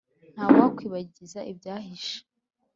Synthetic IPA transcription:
n̥haːwwakwiːβaɟiizaʔibɟaːɦiʃe̥

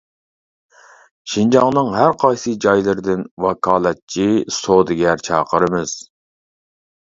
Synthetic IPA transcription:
ʃind͡ʒɑŋnɨŋɦæɾqʰɑjsɨd͡ʒɑjlˠɨɾd̪ɪnwɑkʰɑːlˠɛt̪̚t͡ʃʰisod̪ɨɡʲɛɾt͡ʃʰɑ̰ːqʰəɾɨmɨz̥

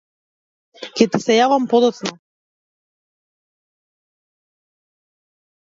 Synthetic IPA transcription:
kɛt̪isɛjavampɔd̪ɔt̪sna

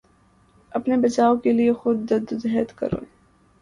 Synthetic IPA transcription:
ɐpnebɐt͡ʃaːokeliexʊd̪̚ːɐd̪zɦɛt̪kɐ̰ɾõ̰ː

